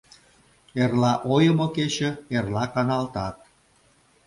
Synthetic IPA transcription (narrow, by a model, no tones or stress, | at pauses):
erlɑʔojə̆moket͡ɕə̆erlɑkɑnɑlt̪ɑt̪̚